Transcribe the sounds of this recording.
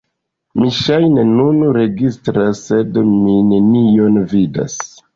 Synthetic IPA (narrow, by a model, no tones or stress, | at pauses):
miʃajnenunɾe̞ɡistɾasːe̞dmine̞nio̞nvida̰s